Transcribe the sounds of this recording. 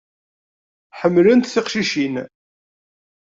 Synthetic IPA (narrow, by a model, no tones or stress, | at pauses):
ħəmːlənt̪θeqʃiʃin